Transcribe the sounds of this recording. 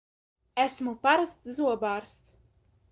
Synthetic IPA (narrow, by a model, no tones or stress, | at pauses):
æsmupaɾast̪zuɔbaːɾs